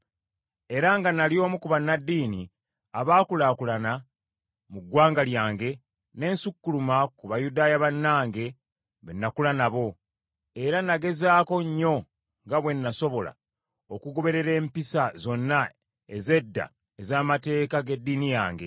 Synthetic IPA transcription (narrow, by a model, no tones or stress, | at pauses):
e̞ɾaŋɡanalio̞ːmukuβanːadːiːni | aβaːkulakulana | muɡwaːŋɡaljaːŋɡe̞ | ne̞ːnsukːulumakuβajudaːjaβanːaːŋɡe̞ | βenːakulanaβo̞ | e̞ɾanaɡe̞zaːko̞ɲːo̞ | ŋɡaβwenːaso̞βo̞la̰ | okuɡo̞βe̞ɾe̞ɾe̞ːmpisazo̞nːa | e̞ze̞dːa̰ | ezaːmate̞ːkaɡe̞dːiːnijaːŋɡe̞